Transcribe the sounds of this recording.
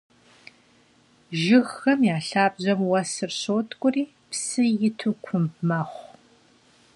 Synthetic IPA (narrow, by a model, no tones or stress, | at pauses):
ʒɪɣxɐmjaːɬaːbʑɐmwɐsɨrɕoːtʰʼkʷʼʊriː | psɨjɪtʰukʷʰʊmbmɐːχʷ